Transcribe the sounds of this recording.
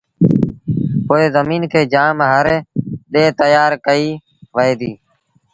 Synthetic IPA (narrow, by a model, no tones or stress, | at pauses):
poːeːzəmiːnkʰeːd͡ʒaːmɦəɾɗeːt̪əjaːɾkəiː | ʋəeːd̪iː